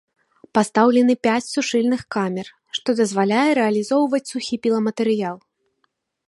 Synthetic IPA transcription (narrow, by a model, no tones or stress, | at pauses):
past̪awlʲɛnɨpʲat͡sʲsuʂɨlʲnɨxkamʲɛr | ʂt̪ɔd̪ɐzvalʲajɛɾɛɐlʲizɔwvɐt͡sʲsuxʲipʲilˠɐmɐt̪ɨɾɨjalˠ